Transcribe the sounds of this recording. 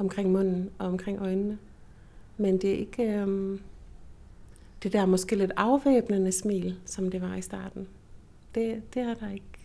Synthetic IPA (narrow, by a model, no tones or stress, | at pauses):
ɒ̽mkʰʁeŋ̰mɔ̽n̰n̩ɒ̽ɒ̽mkʰʁeŋ̰ʔɒ̽ɪnnə | mend̥e̝æʔe̝ɡ̥ | d̥e̝d̥æɐmɒ̽sɡ̥e̝̰ːle̝d̥ɑ̈ʊʋeːb̥nənəsmḭːlsɒ̽md̥e̝ʋɑ̈isd̥ɑ̰̈ːd̥n̩ | d̥e̝d̥e̝æd̥ɑ̈e̝ɡ̥